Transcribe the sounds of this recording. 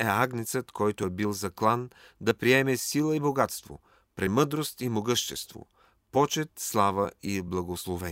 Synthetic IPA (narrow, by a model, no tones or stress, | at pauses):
ɛaɡnit̪sət̪kʰɔjt̪oɛbilˠzɐklˠan | d̪ɐpɾiɛmɛsilˠəiboɡat̪st̪vo̰ | pɾɛmɤd̪ɾost̪imoɡɤʃt̪ɛst̪vo̰ | pɔt͡ʃɛt̪slˠavəiblˠɐɡoslˠovɛ